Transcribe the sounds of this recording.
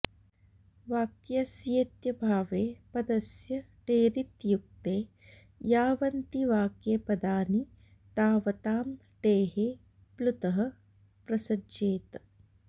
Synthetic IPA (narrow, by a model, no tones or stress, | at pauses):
ʋaːkjɐsjet̪jɐbʱaːʋeːpɐd̪ɐsjɐ | ʈeːɾit̪juk̚t̪eː | jaːʋɐnt̪iʋaːkjɐpɐd̪aːni | t̪aːʋɐt̪aːm | ʈeːɦeː | plut̪ɐɦɐ̆ | pɾɐsɐd͡ʒeːt̪